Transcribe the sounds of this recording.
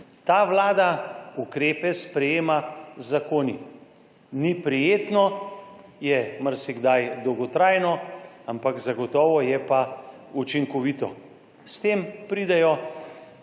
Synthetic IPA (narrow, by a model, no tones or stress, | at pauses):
t̪aːʋlaːd̪aukɾeːpɛspɾɛjeːmazakoːni | nipɾijeːt̪nɔ | jɛməɾsiɡd̪ajd̪ɔwɡɔt̪ɾaːjnɔ | ampakzaɡɔt̪ɔːʋɔjɛpa | ut͡ʃiŋkɔʋiːt̪ɔ | st̪eːmpɾid̪ɛjɔ